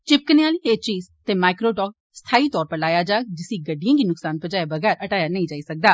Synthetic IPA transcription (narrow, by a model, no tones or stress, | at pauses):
t͡ʃɪp̚kəneaːliːɦeːt͡ʃiːzt̪eːmaːɪkɾoːʈɔːk | st̪ʰaːiːt̪ɔːɾpəɾlaːjaːd͡ʒaːk̚d͡ʒɪsiːɡəɖːijãːɡiːnʊksaːnpəd͡ʒaːjebəɡɛːɾəʈaːjaːnəĩd͡ʒaːiːsək̚d̪aː